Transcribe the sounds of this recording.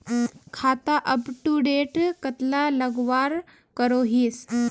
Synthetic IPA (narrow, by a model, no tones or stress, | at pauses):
kʰat̪aʔəpʈuɖeʈkət̪laləɡʋaɾ | kəɾoɦiːs